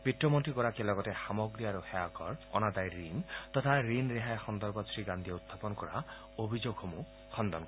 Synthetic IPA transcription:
pitːɹɔmɔntɹiɡɔɹakielɔɡɔtɛxamɔɡɹiaɹuxɛakɔɹɔ̰nad̪ajɹint̪ɔtʰaɹinɹeɦajxɔnd̪ɔɹbɔtsʰɹiɡand̪ijeut̪ʰːapɔnkɔɹa̰ | obʱizoɡhomu | xʰɔnd̪ɔnk

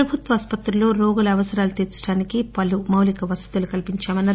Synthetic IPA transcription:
ɐbʱut̪ʋɐːspɐt̪ɾulo̞ːɾoːɡulɐɐʋɐsɐɾaːlut̪iːɾt͡ʃɐ̥ɽaːnikipɐlumɐwlikɐʋɐsɐd̪ulukɐlpiɲt͡ʃaːmɐnːɐ

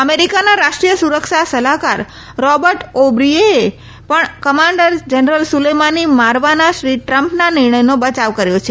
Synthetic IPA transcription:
əmeɾikanaɾaʃʈɾijəsuɾəkʃasəlakaɾ | ɾɔbəɾʈobɾiee | pəɳkəmãɳɖəɾd͡ʒənəɾəlsulemanimaɾʋanaʃɾiʈɾəmpnanɪɾɳəjnobət͡ʃaʋkəɾjot͡ʃʰe

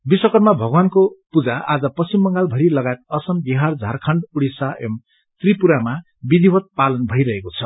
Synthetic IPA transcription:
biswʌkʌrmabʱʌɡwankopud͡zaa̰d͡zʌpʌsimːʌŋɡalbʱʌɾilʌɡaet̪̚ʌsʌmbiɦard͡zʱarkʰʌɳɖuɽisaʔem | t̪ripuɾama | bid̪ʱiwʌt̪̚palʌnbʱʌijɾʌɦekot͡sʰʌ

